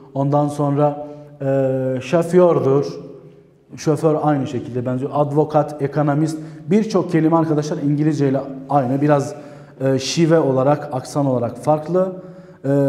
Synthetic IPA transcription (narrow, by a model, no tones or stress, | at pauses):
o̞nd̪anso̞nɾaː | ʃafjøɾd̪uɾ̥ | ʃoføɾajnɯʃe̞cʰilʲd̪ɛbænd͡ʒɛad̪vo̞kʰat̪ʰekʰo̞nomist̪biɾt͡ʃʰo̞k̚cʰe̞lʲimɛaɾkʰad̪aʃlˠaɾiɲɟilʲizd͡ʒejlʲɛajnɯbiɾazː | ʃivɛo̞lˠaɾakʰaksano̞lˠaɾakfaɾklˠɯː